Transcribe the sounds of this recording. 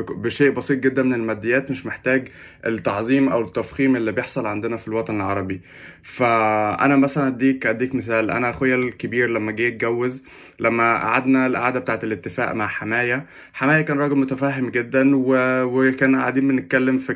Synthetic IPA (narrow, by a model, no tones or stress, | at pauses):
beʃeːʔbɑsˤiːt̪̚ˤɡed̪ːænmenelmæd̪ːejːæːt̪meʃmeħt̪æːɡ | ʔet̪ːɑʕzˤiːmʔæwet̪ːæfxiːmʔelːibejeħsˤɑlʕand̪enæfilwɑt̪ˤɑnelʕɑɾˤɑbi | fæʔæ̰næmæsælænd̪iːkʕd̪iːkmeθæːlʔæ̰næxojːælkebiːɾlæmːæɡæːk̪̚ɡæwːez | læmːæʔa̰ʕa̰d̪nælʔa̰ʕaːd̪æbet̪aːʕet̪elet̪ːefæ̰ːʔmaʕħamæːjæ | ħamæːjækæːnɾˤɑːɡelmot̪æfæːɦemɡed̪ːænwewekæːnʔaʕad̪iːmbenːet̪̚kælːemfi